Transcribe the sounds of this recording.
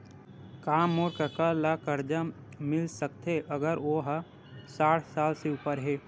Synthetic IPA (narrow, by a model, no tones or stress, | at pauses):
kaːmoːɾkəkalakəɾd͡ʒa | mɪlsəkt̪eʔəɡəɾoːɦ | saːʈʰsaːlseʊpəɾɦɛː